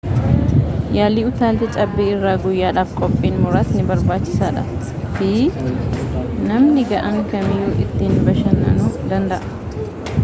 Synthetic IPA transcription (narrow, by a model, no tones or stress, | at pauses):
jaːliːʊt̪aːlt̪ɪt͡ʃʼɐbːiːɪrːaːɡʊjːaːᶑaːfkʼɔpʼːiːnmʊɾaːt̪nɪbɐɾbaːt͡ʃːɪsaːᶑɐ̰ | t̪i | nɐmnɪɡɐʔɐŋkɐmɪjuːʔɪt̪ːɪnbɐʃɐnːɐ̰nuːd̪ɐnd̪ɐʔɐ